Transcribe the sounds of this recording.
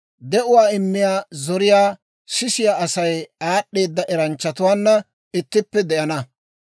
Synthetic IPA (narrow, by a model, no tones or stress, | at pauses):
d̪ɛʔʊwaːɪmːɪjaːzɔɾɪjaː | sɪsɪjaːɐsɐjaːɗːe̞ːd̪ːɐʔɛɾɐnt͡ʃːɐt̪ʊwaːnːɐ | ɪt̪ːɪpːɛd̪ɛʔɐnɐ